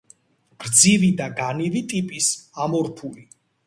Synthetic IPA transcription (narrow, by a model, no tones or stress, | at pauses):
ɡ̥ɾd̪zivid̪aɡanivit̪ʼipʼisamɔɾpʰuli